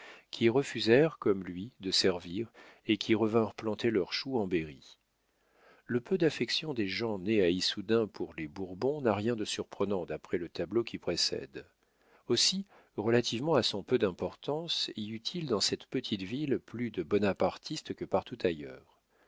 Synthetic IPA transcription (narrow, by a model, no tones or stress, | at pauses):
kʲʰiʁəfyzɛʁkɔmlɥid̪əsɛʁviʁekʲʰiʁəvɛ̃ʁplɑ̃t̪elœʁʃuɑ̃beʁi | ləpød̪afɛksjɔ̃d̪eʒɑ̃neaisud̪ɛ̃pʰuʁlebuʁbɔ̃naʁjɛ̃d̪əsyʁpχənɑ̃d̪apχɛlət̪ablokʲʰipχesɛ̰d̪ | osi | ʁəlat̪ʰivmɑ̃asɔ̃pød̪ɛ̃pɔʁt̪ɑ̃siyt̪ʰild̪ɑ̃sɛt̪pət̪ʰit̪vilplyd̪əbɔnapaʁt̪ʰist̪kəpaʁt̪ut̪ajœːʁ